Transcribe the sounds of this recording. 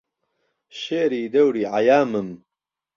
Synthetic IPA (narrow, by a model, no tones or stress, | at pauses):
ʃeːɾiːd̪ɐwɾiːʕajaːmɨm